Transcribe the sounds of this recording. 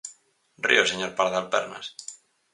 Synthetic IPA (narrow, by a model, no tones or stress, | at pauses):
rḭoseɲoɾpaɾaðalpḛɾna̰s